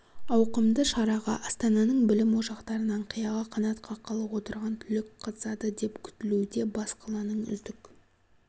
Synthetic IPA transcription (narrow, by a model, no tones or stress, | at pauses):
ɑwqəmd̪əʃɑɾɑʁɑʔɑst̪ɑnɑnəɴbɪlɪmwo̞ʃɑqt̪ɑɾənɑɴqʰijɑʁɑqʰɑnɑt̪qʰɑqʰːɑlˠəwo̞t̪əɾʁɑnt̪ʰʏlɪkqʰɑt̪ə̥sɑd̪əd̪e̞pkʲʰʏ̥t̪ɪlud̪e̞bɑsqʰɑlˠɑnəɴʏ̰zd̪ɪk